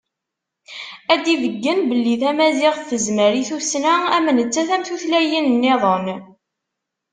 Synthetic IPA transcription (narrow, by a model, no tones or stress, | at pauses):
æd̪iðəɡːənbəlːiθæmæzɪʁθθːəzməɾiθusnææmənət͡sːæθæmθuθlæjənnːɪðˤən